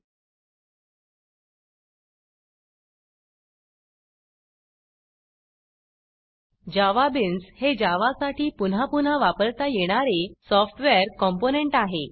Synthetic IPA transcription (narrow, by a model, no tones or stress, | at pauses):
d͡ʑaʋabinshed͡ʑaʋasaʈiːpun̤apun̤aʋapəɾt̪ajeɽ̃aɾesɔfʈʋeɾkɔmponeɳʈaɦe